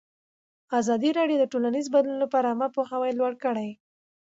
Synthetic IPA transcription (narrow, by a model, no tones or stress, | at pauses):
azɑd̪iɾɑɖjod̪əʈolanizbad̪lunlapɑɾamapoxawajlwaɽkəɽaj